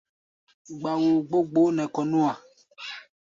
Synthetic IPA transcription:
ɡ͡ba˨wu˨ɡ͡bo˦ɡ͡bo˦nɛ̃˨kɔ˨nũ˦a˨

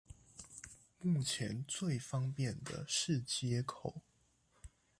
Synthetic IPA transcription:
mu˥˩t͡ɕʰjɛ˧˦nt͡swe˥˨ɪfɑ˦˥ŋpjɛ˥˨nd̪ə̰˨˩ʂɻ̩˥˨t͡ɕjɛ˥kʰo˨˩˦ʊ

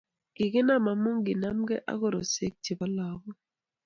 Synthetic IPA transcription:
ɡ̥ɪ˨kɪ˦na˦˨ma˨mu˦ŋɡɪ˨na˦mɡɛ˦ʔa̰˦ko˦˨ɾo˨se˦k̚ti˨ba˦la˨bɔ˦

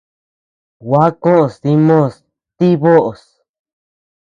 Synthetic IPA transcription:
wa˦kõ˦ʔo˧˨sði˧˦mõ˦˨s | t̪i˦βo˦ʔo˨s

